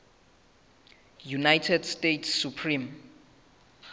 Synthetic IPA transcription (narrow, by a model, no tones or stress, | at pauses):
junajtʰɛdstetʰsːupʰrĩm